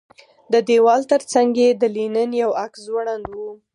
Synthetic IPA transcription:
d̪əd̪ewɑlt̪əɾt͡saŋɡed̪əlinənjawakszwaɽand̪wu

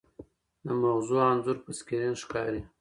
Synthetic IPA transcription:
d̪əmaɣzuanzuɾpəskiɾinʃkɑɾi

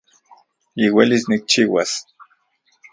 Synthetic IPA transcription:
iwelisnik̚t͡ʃiwas

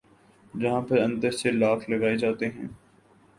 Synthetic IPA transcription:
d͡ʒɐɦãpɐɾɐ̃nt̪əɾselaːkʰlɐɡaːed͡ʒaːt̪eɦɛ̃ː

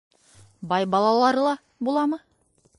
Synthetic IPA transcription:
bɑjbɑlˠɑlˠɑɾɤlˠɑ | bulˠɑmɤ

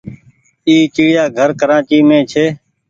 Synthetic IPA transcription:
iːt͡ʃiːɽɪjaːɡʱəɾkəɾaːt͡ʃiːmẽːt͡ʃʰeː

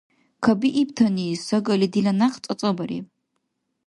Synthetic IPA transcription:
kʰɐbiʔip̚tʰɐnisɐɡɐlidilɐnaχt͡sʼɐt͡sʼɐbɐɾḭ

